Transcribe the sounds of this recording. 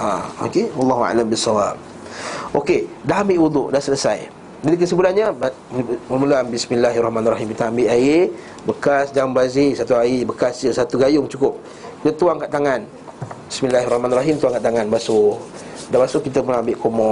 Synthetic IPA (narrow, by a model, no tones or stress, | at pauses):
ao̰kewɑlːɑɦua̰lambisːawap̚ | ʔokedaɦambɪʔwud̪ṵʔdaʔsələsa̰j | d͡ʒadikəsəbulanɲəb | məmulaambismilːaɦrɔhmanraɦimkit̪aambɪʔae | bəkasd͡ʒambazisat̪uaibəkasd͡ʒəsat̪uɡajʊŋt͡ʃukʊp̚ | ət̪uaŋkaʔt̪aŋan | bismilahrɾɔhmanrɔɦimt̪uaŋkaʔt̪aŋanbasʊ | dabasʊhkit̪əmulaambɪʔkomɔ